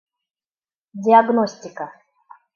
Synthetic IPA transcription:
dʲɪaɡnosʲtʲɪkə

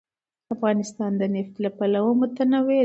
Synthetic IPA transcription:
afɣɑnɪst̪ɑnd̪ənɪft̪lapalawomʊt̪anawe

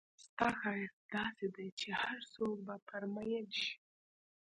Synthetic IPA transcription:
st̪ɑxɑjɾd̪̥ɑsed̪ajt͡ʃehaɾsok̚bapʰaɾmajanʃi̥

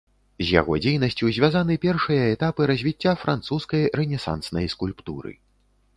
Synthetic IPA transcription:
zʲja̰ɣɔd͡zʲejnɐsʲt͡sʲuwzʲvʲazanɨpʲɛrʂɨjɐɛt̪apɨɾɐzʲvʲit͡sʲːafɾant̪suskɐjrɛnʲɛsa̰nsnɐjskulʲpt̪uɾɨ̰

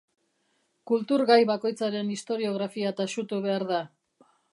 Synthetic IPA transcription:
kult̪uɾɣajβako̞jt͡saɾe̞nist̪o̞ɾio̞ɣɾafiat̪aʃut̪uβe̞aɾða

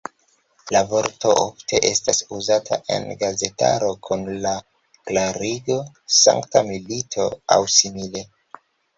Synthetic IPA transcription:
lavo̞ɾto̞ʔofte̞ʔe̞stasuzatʰa̰ʔe̞̰nɡaze̞ta̰ɾo̞kʰunla | klaɾiɡo̞ | sa̰ŋktamilitʰo̞a̰wsimile̞

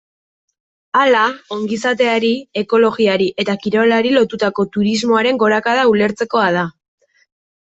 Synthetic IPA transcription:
alao̞ŋɡisat̪̬e̞aɾie̞ko̞lo̞ɣiaɾiʔe̞t̪akiɾo̞laɾilo̞t̪ut̪ako̞t̪uɾizmo̞aɾe̞ŋɡo̞ɾakað̞aule̞ɾt͡se̞ko̞aða

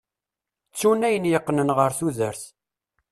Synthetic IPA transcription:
t͡sːunæjənjəqːnənʁəɾθuðəɾθ

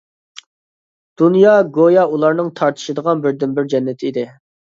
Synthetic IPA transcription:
d̪̥unjɑɡojɑulˠɑɾnɨŋt̪ʰɑɾt̪ʰɨ̥ʃɪd̪əʁɑnbɪɾd̪ɪnbɪɾd͡ʒɛnːɪt̪ʰɪid̪ɪ

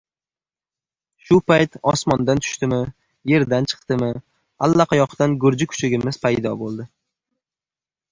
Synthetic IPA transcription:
ʃʊpʰajt̪ɒsmɒnd̪ant̪ʰʊ̥ʃt̪ɪmɪ | je̞ɾd̪ant͡ʃʰɨ̥qt̪ɪmɪ | alˠːaqʰɑjɒqʰt̪anɡʊɾd͡ʒɪkʰʊ̥t͡ʃʰɪɡʲɪmɪz̥pʰajd̪ɒbolˠd̪ɪ

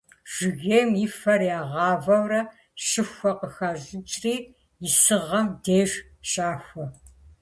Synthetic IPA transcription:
ʒ̥ɪɣejmjɪfɐrjaːʁɑːvɐwrɐ | ɕɨxʷɐqəxaːʑɨt͡ʃʼriː | jɪsɨʁɐmdeːʒ | ɕʼaːxʷɐ

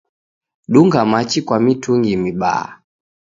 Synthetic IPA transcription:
ɗuŋɡamat͡ʃikwamitʰuŋɡimiɓa̰a̰

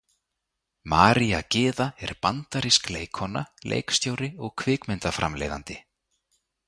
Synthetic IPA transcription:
maːɾiacɪːðaɛɾpant̪aɾiskleːjkʰhɔnalʔḛːjkst̪joːwɾɪɔɣkʰvɪːkmɪnt̪afɾʔa̰mlḛjða̰nt̪ɪ

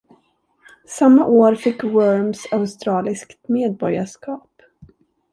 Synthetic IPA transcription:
samːaʔoːɾfɪkːwœɾmsaʊst̪ɾɑːlɪskt̪meːd̪̚bɔɾjaʂkɑːp

